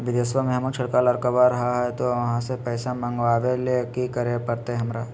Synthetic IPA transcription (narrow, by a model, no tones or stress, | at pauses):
ʋɪd̪esʋameɦmut͡ʃʰɐɽkaləɾkəʋaɾɐɦaɦɛt̪oʋɐɦãsepɛːsamãŋɡʋaːʋelekikəɾepɐɾt̪eɛɦɐmɾaː